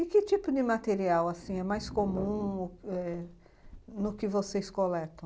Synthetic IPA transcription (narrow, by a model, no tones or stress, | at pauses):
ɪkɪt͡ʃ̪ipʊd̪ɪmat̪eɾiawasĩɛmajskomũʊɛ | nʊkɪvoseskolɛt̪ɐ̃w̃